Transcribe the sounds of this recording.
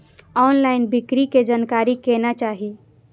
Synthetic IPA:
ɔːnlaɪnbɪkɾiked͡ʒankaːɾikenat͡ʃaːɦi

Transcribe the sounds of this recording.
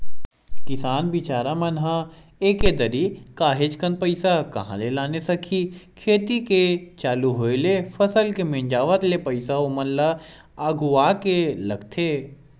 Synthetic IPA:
kɪsaːnbɪt͡ʃaːɾamɐnɦã | eːked̪əɾikaːɦed͡ʒkən̚pɐɪsakɐ̰ɦã̰lelaːnesɐkʰikʰeːt̪iket͡ʃaːluɦoːelefʰɐsəlkemẽːɲd͡ʒaːʋət̪lepɐɪsaomənla | aːɡuaːkelɐɡt̪ʰeː

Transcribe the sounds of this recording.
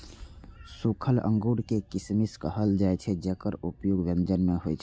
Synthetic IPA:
sukʰələ̰̃ŋɡuːɽkekɪsmiskəɦəld͡ʒaːet͡ʃʰed͡ʒəkəɾʊpjoːɡʋə̃nd͡ʒənmẽɦoet͡ʃʰe

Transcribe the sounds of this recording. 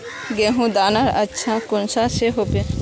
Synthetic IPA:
ɡeɦũd̪anaɾətːʃʰakʊnsaʃeɦope

